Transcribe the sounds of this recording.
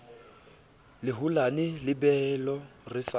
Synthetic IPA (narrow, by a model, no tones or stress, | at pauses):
lɪɦʊlanɪlɪbɛlɔrɪsa